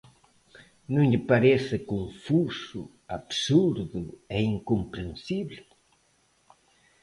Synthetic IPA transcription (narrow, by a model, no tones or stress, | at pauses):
nõŋʎɪpaɾɛsɐkõɱfusu | aβsuɾðuɛiŋkompɾẽnsiβlɪ